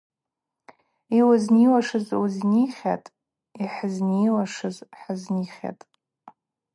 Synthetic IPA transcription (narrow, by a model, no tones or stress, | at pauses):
iwazniwaʂɨzwuzniχʲa̰tʼ | iħəzniwaʂɨzħazniχʲa̰tʼ